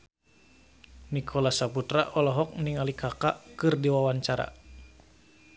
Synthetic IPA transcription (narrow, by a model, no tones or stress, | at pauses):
nikʰɔlasaput̪ɾa̰ʔɔlɔɦɔk̚niŋalikʰakaʔkɨrdiwawaɲt͡ʃaɾa̰